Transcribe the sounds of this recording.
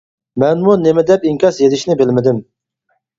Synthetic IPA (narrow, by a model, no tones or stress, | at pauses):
mɛnmunɪmɪd̪ɛpiŋkʲɑsjezɪʃnɪbɪlmɪd̪ɪm